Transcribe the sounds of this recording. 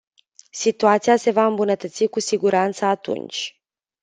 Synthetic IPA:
sit̪uat̪sijase̞vaɨmbunət̪ət̪sikusiɡuɾant̪səat̪ṵnt͡ʃʲ

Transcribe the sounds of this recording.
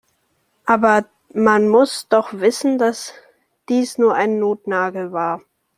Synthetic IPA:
ʔaːbɐ | manmʊsd̥ɔχv̥ɪsn̩das | d̥iːsnuːɐʔaɪnːoːtnaːɡl̩vaːɐ

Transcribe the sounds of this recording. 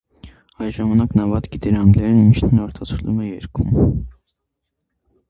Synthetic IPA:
ɑjʒɑmɑnɑknɑvɑt̪ɡit̪ɛɾɑnɡlɛɾnint͡ʃʰnɛnɑɾt̪ʰɑt͡sʰəlumɛjɛɾkʰum

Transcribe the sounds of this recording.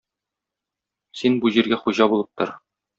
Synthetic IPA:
sinbuʑiɾɡæχuʑɑbulˠɤp̚t̪ɤ̰̆ɾ

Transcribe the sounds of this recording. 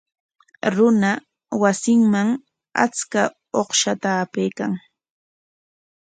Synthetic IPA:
ɾʊna | wasɪŋmaŋ | a̰t͡ska | oχʃat̪aːpejkaŋ

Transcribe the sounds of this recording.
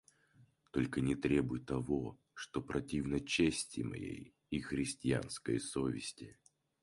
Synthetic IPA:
t̪o̞lʲkənʲɪt̪ɾʲe̞bʊjɪt̪ːɐvo | ʂt̪opɾɐtʲivnət͡ɕesʲtʲɪmɐ̰jḛj | ixɾʲɪsʲtʲɪa̰nskəjəsovʲɪsʲtʲɪ

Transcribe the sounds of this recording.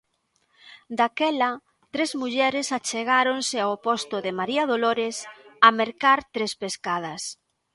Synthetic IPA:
d̪akɛlɐ | t̪ɾezmuʎɛɾɪsat͡ʃeɣaɾonsɪaopost̪oðɪmaɾiaðoloɾesɐmeɾkaɾt̪ɾespeskað̞ɐs

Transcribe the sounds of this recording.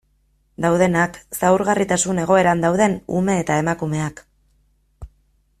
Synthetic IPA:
d̪awð̞e̞naksawɾɣarit̪asune̞ɣ̞o̞e̞ɾand̪awðe̞nṵme̞ːt̪ae̞makume̞ak

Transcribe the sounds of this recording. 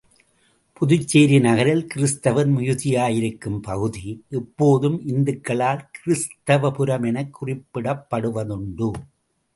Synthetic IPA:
pʊðʊt͡ʃːeːɾinɐɣɐɾɪlkɪɾɪst̪ɐʋɐnmʊjʊðɪjaːjɪɾɯkːɯmpɐɣɯðiʔɛpːoːðɯmʔɪnd̪ɯkːɐɭaːlkɪɾɪst̪ɐʋɐpɯɾɐmɛnɐkːʊrɪpːɪɽɐpːɐɽɯʋɐðʊɳɖɯ

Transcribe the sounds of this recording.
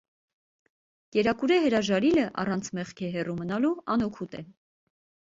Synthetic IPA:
kɛɾɑkuɾɛɦəɾɑʒɑɾiləʔɑ̰rɑnt͡sʰmɛχkʰɛɦɛrumənɑluɑnɔkʰut̪ɛ

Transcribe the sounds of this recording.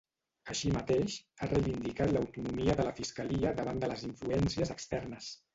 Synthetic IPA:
əʃimət̪eʃarəjβind̪ikat̪ləwt̪unumiəðələfiskəliəd̪əβand̪ələziɱfluɛnsiəzəkst̪ɛrnəs

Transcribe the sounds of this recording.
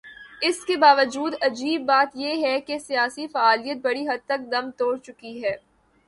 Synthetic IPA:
ɪskebaːʋəd͡ʒuːd̪ɐd͡ʒiːbːaːt̪jeɦɛkesijaːsifaːaːlijət̪̚bɐɽiɦɐd̪̚t̪ɐk̚d̪ɐmt̪oːɽt͡ʃʊkiɦɛː

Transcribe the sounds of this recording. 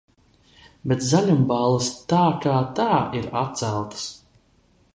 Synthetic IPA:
bɛt̪zalʲumbalˠɨst̪aːkaːt̪aːʔiɾat̪̚t̪sælˠt̪ə̥s

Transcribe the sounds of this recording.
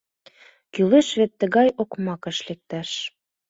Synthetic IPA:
kyleʃβet̪ːə̆ɣɑjokmɑkɤ̆ʃlek̚t̪æʃ

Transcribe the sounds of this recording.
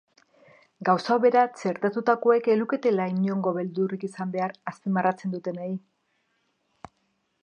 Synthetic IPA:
ɡawsaoβe̞ɾat͡se̞ɾt̪at̪ut̪ako̞e̞ke̞luke̞t̪e̞lajɲo̞ŋɡo̞βe̞ld̪urikisambe̞aɾaspimarat͡se̞nd̪ut̪e̞nai

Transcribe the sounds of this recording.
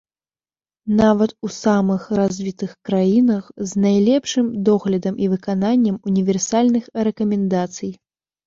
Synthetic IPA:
navɐt̪usamɨxɾazʲvʲit̪ɨxkɾajinɐxznajlʲɛpʂɨmd̪ɔɣlʲɐd̪ɐmʔivɨkananʲːɐmunʲivʲɛrsalʲnɨxrɛkɐmʲɛnd̪at̪sɨj

